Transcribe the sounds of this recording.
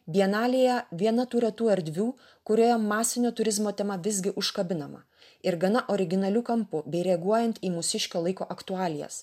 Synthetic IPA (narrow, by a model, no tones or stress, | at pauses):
bʲiɛnɑːlʲeːjɛʋʲiɛnɐt̪uːɾɛt̪uːɐɾʲd̪ʲʋʲuː | kʊɾʲoːjoːmmːɑːsʲɪnʲoːt̪ʊɾʲɪzmoːt̪ʲɛmɐʋʲɪzʲɡʲɪʔʊʃkɐbʲɪnɐmɐ̰ | ɪɾɡɐnɐʔoɾʲɪɡʲɪnɐlʲuːkɐmpʊbʲɛɪɾʲɛɐɡuɔjɛnt̪iːmʊsʲɪʃʲkʲoːlˠɐɪkoːʔɐkt̪ʊɑːlʲɪjɛ̰s